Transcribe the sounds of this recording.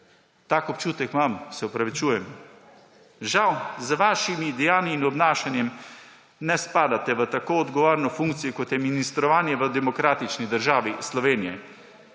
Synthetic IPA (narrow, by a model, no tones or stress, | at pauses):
t̪aːkɔp̚t͡ʃuːt̪ɛkmamsɛɔpɾaʋit͡ʃuːjɛm | ʒawzʋaːʃimid̪ɛjaːniːnɔbnaːʃanjɛm | nɛspaːd̪at̪ɛʋət̪akoːd̪ɡɔʋoːɾnɔfuŋkt̪sijɔkɔt̪jɛminist̪ɾɔʋaːnjɛʋəd̪ɛmɔkɾaːt̪it͡ʃnid̪əɾʒaːʋislɔʋeːnijɛ